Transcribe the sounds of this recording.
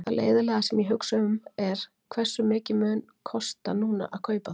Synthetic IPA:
a̰lḛːjðʏlɛːɣasɛmiɦʏksaʏmɛɾ̥ | kʰvɛr̥sːʏmɪːcɪmœːn | kʰɔst̪anuːna̰ʔaðkʰœːɥpa

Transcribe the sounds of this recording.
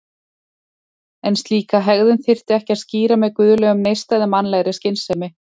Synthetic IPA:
ɛnst̪liːkaɦɛɣðʏnθɪr̥t̪ɪɛhcɪaðsciːɾamɛðkvʏːðʏlœːɣʏmnejst̪ajðamanlɛːɣɾɪscɪnsɛmɪ

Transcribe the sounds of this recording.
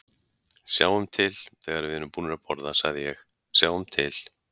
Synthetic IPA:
sjaːwʏmt̪ʰɪlθɛɣaɾvɪðnːʏmpuːnɪɾapɔɾðasa̰ɣðɪjɛx | sjaːwʏmt̪ʰɪl

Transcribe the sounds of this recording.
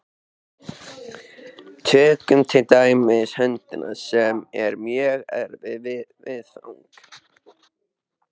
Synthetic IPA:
t̪ʰɛːkʏmt̪ʰɪlt̪aːjmɪðshɛnt̪ɪnʔa̰sɛmɛɾmjɛɣɛ̰ɾvɪvɪvɪθa̰wŋk

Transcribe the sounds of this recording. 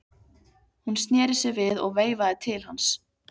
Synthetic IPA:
hunst̪njɛːɾɪsɪvɪðɔ̰ɣveːjvaðɪt̪ʰɪlhans

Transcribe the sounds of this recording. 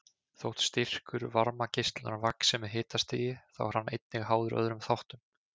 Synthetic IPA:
θow̥t̪st̪ir̥kʏɾvaɾmacɪst̪lɾavaksɛmɪðɦɪːt̪ast̪iːjɪθa̰wɾ̥anːḛjt̪̚nɪɣɦaːwðʏɾœ̰ðɾʏmθawht̪ʏm

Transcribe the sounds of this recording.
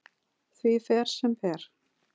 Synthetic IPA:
θviθɛɾ̥sɛmθɛɾ̥

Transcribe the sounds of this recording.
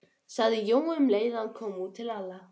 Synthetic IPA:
saðɪjowʏmleːjðankʰɔːmuːt̪ʰːɪlalːa

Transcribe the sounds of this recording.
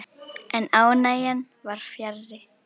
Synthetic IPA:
ʔɛnaːwnajan | vaɾ̥fjɛɾðɪ

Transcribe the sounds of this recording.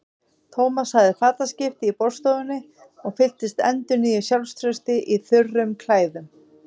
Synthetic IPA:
t̪ʰoːwmashaɣðɪfaːt̪ascɪft̪ɪipɔɾ̥st̪oðʏnːɪ | ɔɣfɪl̥t̪ɪst̪ɛ̰nt̪ʏniːjʏsjawlst̪ʰɾœst̪ɪʔiθʏrːʏmkʰlaːjðʏm

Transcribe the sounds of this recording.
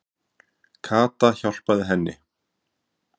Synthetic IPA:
kʰaːt̪açal̥paðɪɦɛnːɪ̰

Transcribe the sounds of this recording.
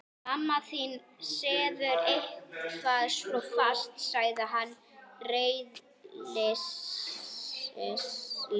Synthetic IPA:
amːaθin | sɛːðʏɾejhkʰaðslɔfast̪saːjðɪɦanː | reːjð | lɛ

